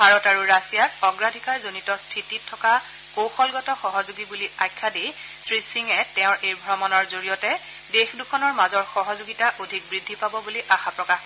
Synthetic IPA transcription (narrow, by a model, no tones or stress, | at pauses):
bʱaɹɔtaɹuɹasijakɔɡɹadʱikaɹzonitɔstʰititʰːɔka | koxɔlɡɔtɔxɔɦɔzuɡibuliajkʰːadi | sɹisiŋɛtɛʊ̃ɹʔejbʱɔɹɔmɔnɔɹzoɹijɔtɛ | dexdukʰɔnɔɹmazɔɹxɔɦɔzuɡitaʔodʱik̚bɹidʱːipabɔbuliʔaxapɹɔkax